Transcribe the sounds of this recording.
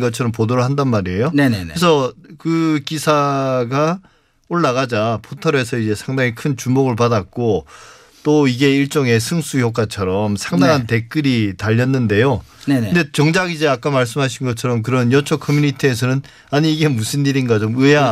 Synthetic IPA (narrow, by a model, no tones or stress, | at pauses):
ɡʌt͡ɕʰʌɾʌmpodoɾɯɭhandanmaɾiejonʰesʰʌkɯkisʰaɡa | oɭːaɣad͡ʑapʰotʰʌɾe̞s̬ʰʌid͡ʑe̞sʰaŋdaŋikʰɯnt͡ɕumoɡɯɭpadat̚k͈o | t͈oiɡe̞iɭt͡ɕ͈ʌŋe̞sʰɯŋs͈ujok͈at͡ɕʰʌɾʌmsʰaŋdaŋɦante̞k͈ɯɾitaʎːʌnːɯnde̞jonde̞t͡ɕʌŋd͡ʑaɡid͡ʑe̞ak͈amaɭs̬͈ɯmɦaɕʰinɡʌt͡ɕʰʌɾʌmk̬ɯɾʌnjʌt͡ɕʰʌkʰʌmjuɲitʰies̬ʰʌnɯn | aɲiːɡe̞musʰɯnːiɾinɡat͡ɕomɯa